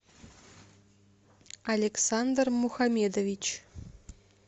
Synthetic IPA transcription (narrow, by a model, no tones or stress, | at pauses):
ɐlʲeksand̪rmuxamʲed̪ovʲit͡ɕ